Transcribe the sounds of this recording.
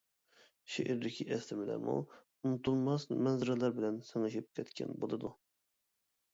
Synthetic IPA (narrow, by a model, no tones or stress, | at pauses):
ʃeʔiɾd̪ɪkʲʰiʔɛst̪ɪmɪlɛ̰mṵ | unɨt̪ʰulˠmɑsmɛnzɪɾɛlˠɑɾbɪlɛnsɛŋɨʃip̚kʲʰɛt̪kʲɛ̰nbolˠɨd̪u